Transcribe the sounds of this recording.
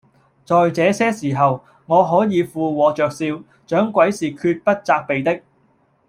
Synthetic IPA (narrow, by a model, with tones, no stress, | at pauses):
t͡sɔː˨jt͡sɛː˨˥sɛː˥siː˨˩ɦɐ˨w | ŋɔː˨˧ɦɔː˨˥jiː˨˧fuː˨˧wɔː˨˧t͡ʃœː˨k̚siː˧w | t͡ʃœː˨˥ŋkʷwɐ˨˥jsiː˨kʰyː˧t̚pɐ˥t̚t͡saː˧k̚pe˨jt̪ɪ˥k̚